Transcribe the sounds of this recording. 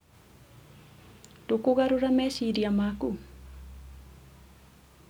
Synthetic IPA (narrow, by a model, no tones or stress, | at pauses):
dokoɣaɾoɾamɛsiɾiamaku